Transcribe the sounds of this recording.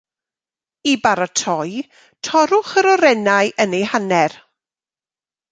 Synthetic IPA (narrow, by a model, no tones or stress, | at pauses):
ibaɾatʰɔj | tʰɔɾʊχəɾɔɾɛnajʔənejhanɛr